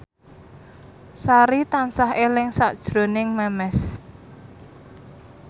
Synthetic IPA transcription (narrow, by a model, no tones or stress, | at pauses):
saɾit̪ansaɦelɪŋsa̰ʔd̥ʒ̥ɾo̤nɪŋmɛmɛs